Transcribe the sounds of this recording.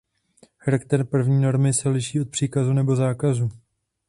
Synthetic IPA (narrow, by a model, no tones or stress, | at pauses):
xaɾakt̪ɛɾpr̩vɲiːno̞ɾmɪsɛlɪʃiːot̪pr̝̥iːkazunɛbo̞zaːkazuː